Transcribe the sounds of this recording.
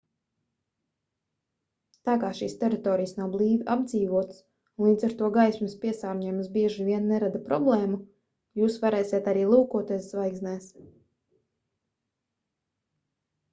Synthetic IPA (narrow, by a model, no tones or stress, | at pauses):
t̪aːkaːʃiːst̪ɛɾit̪ɔːɾijsnawblˠiːd̪ʔab̚d̪ziːvuɔt̪s | unlˠiːd̪zaɾt̪uɔɡajsʲmɪspʲiɛsaːɾɲɛjmsbʲiɛʒivʲiɛnːɛɾad̪apɾɔblˠɛːmu | juːsvaɾɛːsʲiɛt̪aɾiːlˠuːkuɔt̪ɛszvajɡznɛːs